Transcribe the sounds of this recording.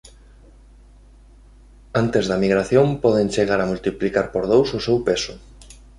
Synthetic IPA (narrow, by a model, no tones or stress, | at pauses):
ant̪ezðɐmiɣɾaθjõmpɔðenʲt͡ʃeɣaɾamult̪iplikaɾpoɾð̞owsʊsewpesʊ